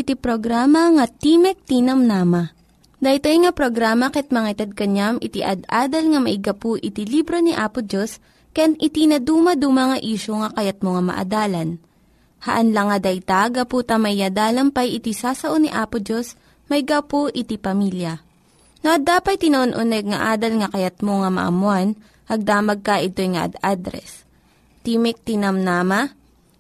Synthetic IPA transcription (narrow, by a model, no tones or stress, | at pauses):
ʔɪt̪ipɾoɡɾaːmɐŋɐt̪iːmɛk̚t̪inɐmnaːmɐ | d̪ɐjt̪ojŋɐpɾoɡɾaːmɐkɛt̪̚mɐŋaɪt̪ɐd̪̚kɐɲamʔɪt̪iʔɐd̪ʔaːd̪ɐlŋɐmɐʔɪɡɐpoʔɪt̪ilibɾoniʔaːpʊd͡ʒos | kɐjanɪt̪inɐd̪uːmɐd̪umɐŋɐʔiːʃoŋɐkɐjat̪̚moŋamɐ̰ʔɐ̰d̪aːlɐn | hɐʔɐnlɐŋɐd̪ɐjt̪aɡɐpuːt̪ɐmɐjːɐd̪aːlɐmpɐjɪt̪isaːsɐʔoniʔaːpʊd͡ʒos | mɐjɡapoʔɪt̪ipɐmiljɐ | noʔɐd̪aːpɐjt̪ɪnɐʔonʔʊnɛɡ̚ŋɐʔaːd̪ɐlŋɐkɐjɐt̪̚moŋɐmɐ̰ʔɐ̰mʊan | ʔɐɡ̚d̪aːmɐɡ̚kɐʔɪt̪o̞jŋɐʔɐ̰d̪ad̪ɾɛ̰s | t̪imɪk̚t̪ɪnamnaːma